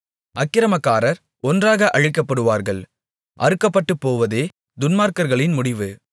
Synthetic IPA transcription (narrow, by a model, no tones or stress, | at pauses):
ʔɐkːɪɾɐmɐkːaːɾɐɾ | ɔndraːɣɐʔɐɻɪkːɐpːɐɽɯʋaːɾɣɐɭ | ʔɐ̰ɾɯkːɐpːɐʈːɯpːoːʋɐðeː | d̪ʊnmaːɾkɐɾɣɐɭɪnmʊɽɪʋɯ